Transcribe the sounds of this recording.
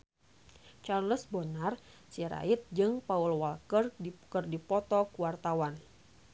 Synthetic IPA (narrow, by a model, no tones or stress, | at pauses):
t͡ʃarləsbonar | siaɾa̰it̪̚d͡ʒɨŋpaulwalkərkərdipɔt̪ɔkuwart̪awan